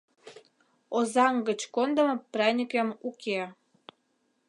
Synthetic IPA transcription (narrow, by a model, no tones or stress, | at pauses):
ozɑŋɡə̆t͡ɕkond̪ə̆mŏprɑnʲikemukʰe